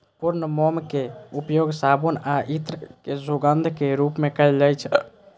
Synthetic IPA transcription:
puɾnəmɔmkeupjoɡsabonaʔit̪ɾəkesoɡənd̪ʱkeɾupmekɛld͡ʒajt͡ʃʰ

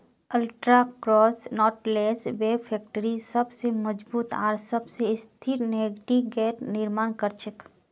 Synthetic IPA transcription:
əlʈɾakɾɔːsnɔːʈleːsbeːpʰɛːk̚ʈəɾisɐbseməd͡ʒbuːt̪a̰ːɾsɐbseɪst̪ʰiɾneːɡʈiɡɛːʈnɪɾmaːnkəɾt͡ʃʰɪk

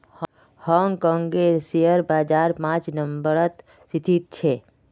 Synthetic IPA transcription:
h | hɔŋɡkɔ̃ːŋɡeɾsijəɾbaːd͡ʒaːɾpãt͡ʃnəmbəɾət̪ | sit̪ʰit̪̚t͡ʃʰe

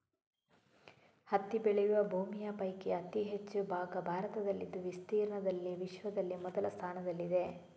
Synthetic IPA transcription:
hɐt̪ːibeɭɛjuʋɐbʱuːmijɐpɐjkeɐt̪iɦet͡ʃːubʱaːɡɐbʱaːɾɐt̪ɐd̪ɐlːid̪ːuʋist̪iːɾɐɳɐd̪ɐlːiʋiʃʋɐd̪ɐlːimɔd̪ɐlɐst̪ʰaːnɐd̪ɐlːid̪e̞

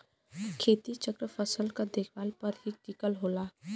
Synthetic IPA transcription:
kʰeːt̪it͡ʃəkɾəpʰəsəlkad̪eːkʰwaːlpəɾɦiʈikəlɦoːlaː

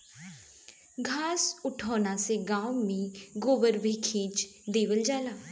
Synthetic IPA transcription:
ɡʱaːsʊʈʰɔːnaːseːɡãːmĩːɡoːbəɾbiːkʰeːd͡ʒd̪eːʋəld͡ʒaːlaː

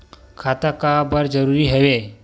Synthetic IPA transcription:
kʰat̪əkabəɾd͡zəɾuɾiːɦəʋe

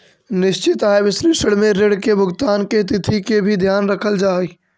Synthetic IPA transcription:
nɪʃt͡ʃɪt̪aːeʋɪsɾiːʃəɽmẽɾeɽkebʱʊɡt̪aːnket̪̬ɪt̪ʰikebʱid̪ʱjaːnɾəkʰəld͡ʒaːi

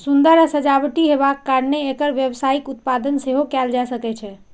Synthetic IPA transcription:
sund̪əɾasəd͡ʒabʈiɦeβakːaɾneːkəɾʋjebsaikut̪̚pad̪ənseɦokɛld͡ʒasəkɛt͡ʃʰɛ

